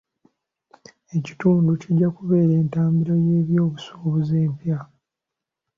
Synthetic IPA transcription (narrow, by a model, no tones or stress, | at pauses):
e̞ci̥tuːnduciɟːakuβe̞ːɾe̞ːntaːmbiɾoje̞ːβjo̞ːβuso̥ːβuzeːmpja